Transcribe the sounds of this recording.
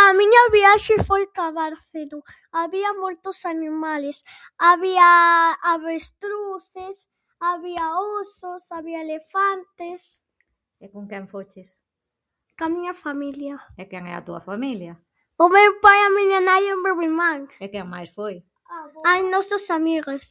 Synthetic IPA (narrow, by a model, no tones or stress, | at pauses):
amiɲɐβiaʃɪfojkaβaɾθenʊ | aβiɐmojt̪ʊsanimales | aβiaaβest̪ɾuθɪs | aβiaososaβiɐelefant̪es | ɪkõŋkɛŋfost͡ʃɪs | kamiɲɐfamiljɐɛkɛŋɛ̰ɐ̰t̪uɐ̰familjɐ | ʊmewpajamiɲanajembeβiɾmaŋɛkɛŋma̰jsfoj | anɔsasamiɣas